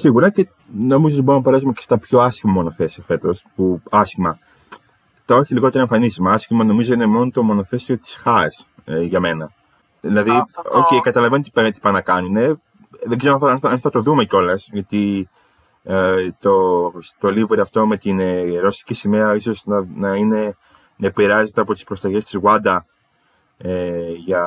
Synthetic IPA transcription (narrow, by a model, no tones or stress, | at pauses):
siɣuɾɐce | no̞mizot̪iboɾonɐpeɾɐsumecest̪ɐpço̞ɐsçimɐmo̞no̞θe̞siɐfe̞t̪o̞spuɐscimɐ | t̪ɐo̞çiliɣo̞t̪eɾoe̞ɱfɐnisimɐɐsçimɐno̞mizo̞inemo̞not̪o̞mo̞no̞θe̞sio̞t̪i̥sxɐsʝɐme̞nɐ | ðilɐðio̰cekɐt̪ɐlɐve̞nont̪ipeɾint̪i̥pɐnɐkɐnune̞ | ðeɡzeɾooɐnɐnθɐt̪o̞ðume̞co̞lɐsʝɐt̪i | t̪ost̪olivoɾiɐft̪o̞me̞t̪inɾo̞si̥cisimeɐiso̞znɐnɐine̞ | nɐepiɾɐze̞t̪e̞ɐpo̞t̪i̥spɾo̞st̪ɐçe̞st̪izɣwɐd̪ɐ | eʝɐ